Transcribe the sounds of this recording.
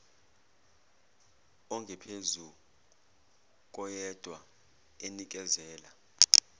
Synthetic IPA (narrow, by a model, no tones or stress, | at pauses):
ɔŋɡʱɛpʰezu | k̬ʼɔjɛd̥ʱwa | enik̬ʼɛzɛːla